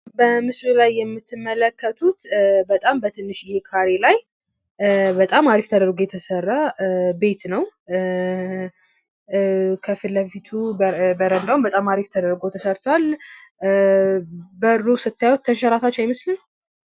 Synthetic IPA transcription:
bəmɨslulajːɛmːɨt̪ːɨmːələkʰːət̪ʰut̪bət̪ʼambət̪ʰɨnːɨʃjɪhe̞kʰaɾelaj | bət̪ʼamaɾift̪ʰəd̪əɾɡo̞jɛt̪ʰəsərːabe̞t̪nəw | kʰəfɨlːəfit̪ʰubəɾənd̪awmbət̪ʼamaɾift̪ʰəd̪əɾɡo̞t̪ʰəsəɾt̪ʰwal | bəɾːusɨt̪ːajwot̪ʰːənʃaɾat̪ʰat͡ʃːajmɨslɨn

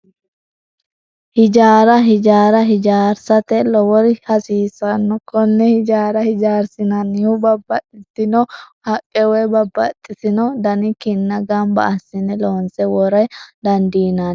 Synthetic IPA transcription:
hɪd͡ʒaːɾɐɦɪd͡ʒaːɾɐɦɪd͡ʒaːɾsɐt̪ɛlɔwɔɾɪhɐsiːsɐnːɔkɔnːɛhɪd͡ʒaːɾɐhɪd͡ʒaːɾsɪnɐnɪhʊbɐbːɐt̪ʼɪt̪ːɪnɔhɐkʼːɛwɛjbɐbːɐ̰t̪ʼːɪsɪnɔd̪ɐnɪkɪnːɐɡɐmbɐ̰ɐsːɪnɛloːnsɛwɔɾɐjd̪ɐnd̪iːnan

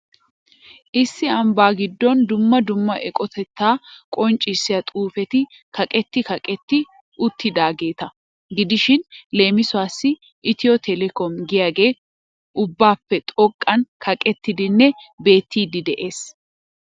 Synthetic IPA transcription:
ʔɪsːɪɐmbaːɡɪd̪ːɔnd̪ʊmːɐd̪ʊmːɐʔɛkʼɔt̪ʰɛt̪ːaːkʼɔnt͡ʃʼːɪsːɪjɐt̪ʼuːfɛt̪ɪ | kɐkʼɛt̪ːɪkɐkʼɛt̪ːɪ | ʔʊt̪ːɪd̪aːɡe̞ːt̪ɐ | ɡɪd̪ɪʃɪnle̞ːmɪsʊaːsːɪ | ʔɪt̪ɪjɔt̪ʰɛlɛkɔmɡɪjaːɡe̞ː | ʔʊbːaːpːɛt̪ʼɔkʼːɐnkʰɐkʼɛt̪ːɪd̪ɪnːɛbe̞ːt̪ːiːd̪ɪd̪ɛʔe̞ːs

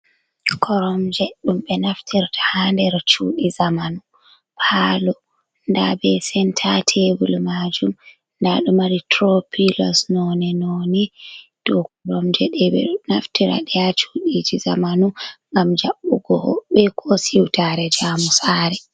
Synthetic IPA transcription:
kʰɔɾɔmd͡ʒɛɗumɓɛnaftʰiɾtʰḁhandɛɾt͡ʃuːɗizamanu | pʰalɔ | ndabɛsɛntʰatʰebulmaːd͡ʒum | ndaɗumaɾitɾɔpʰilɔsnɔninonid̥ɔkɔɾɔmd͡ʒɛɗɛɛnaftiɾa̰ɗɛjat͡ʃuɗid͡ʒizamanuŋɡamd͡ʒaɓːuɡɔhɔɓːɛkʰɔsiwtaɾɛd͡ʒaːmusaːɾɛ

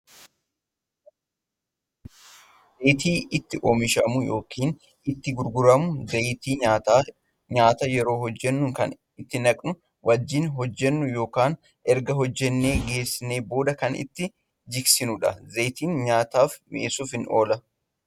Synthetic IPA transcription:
zejt̪iːʔɪt̪ːɪʔoːmɪʃɐmʊjoːkʰiːn | ɪt̪ːɪɡʊɾɡʊɾɐmʊzet̪iː | ɲaːt̪ɐjɛɾo̞ːhɔd͡ʒːɛnːʊŋkɐ̰n | ɪt̪ːɪnɐkʼnʊ | wʔɐd͡ʒːiːnɦɔd͡ʒːɛnːʊjo̞ːkaːn | ɛɾɡɐɦɔd͡ʒːɛnːe̞ːɡe̞ːsːɪne̞ːbo̞ːd̪ɐkɐnɪ̰t̪ːɪ | d͡ʒɪksɪnʊᶑɐ̰zejt̪iːnɲaːt̪aːfmɪʔsufɪnʔoːlɐ

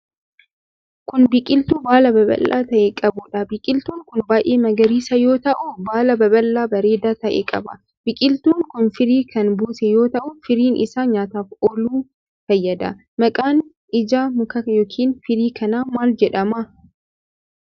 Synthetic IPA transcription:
kʊnbɪkʼɪlt̪uːbaːlɐbɐbɐ̰lːa̰ːt̪ɐʔeːkʼɐbʊᶑɐbɪkʼɪlt̪uːŋkʊnbaːʔeːmɐɡɐɾiːsɐjo̞ːt̪ɐʔʊbaːlɐbɐbɐlːaːbɐɾe̞ːd̪aːt̪ɐʔḛːkʼɐ̰bɐ̰ | b̥ɪkʼɪlt̪uːŋkʊnfɪɾiːkʰɐnbuːsɛjo̞ːt̪ɐʔʊfɪɾiːnʔɪ̰saːɲaːt̪aːfʔɔluː | fɐjːɐd̪ɐ̰ | mɐkʼaːn | ɪd͡ʒaːmʊkɐjoːkʰiːnfɪɾiːkɐnaːmaːld͡ʒɛᶑɐmɐ

